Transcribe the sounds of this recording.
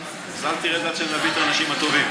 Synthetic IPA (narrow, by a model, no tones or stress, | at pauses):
zalt̪iʁedat̪ʃellabit̪anaʃimhat̪o̞vim